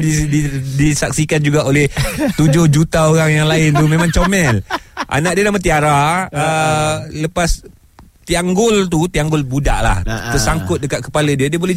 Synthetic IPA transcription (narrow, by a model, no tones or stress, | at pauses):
iidisak̚sikand͡ʒuɡaʔolɛht̪ud͡ʒʊhd͡ʒut̪aoɾaŋjaŋlaɪnt̪umẽmãŋt͡ʃomɛlʔa̰naʔdiənamat̪iaɾaələpas | t̪iaŋɡʊlt̪̬ut̪iaŋɡʊlbudaʔla̰ht̪ərsaŋkʊt̪̚dəkat̪̚kə̥palədiədiəbolɛ